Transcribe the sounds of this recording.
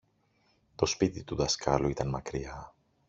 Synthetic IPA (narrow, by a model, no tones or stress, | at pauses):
t̪o̞spit̪it̪uðɐskʰɐluit̪ɐnmɐkɾiɐ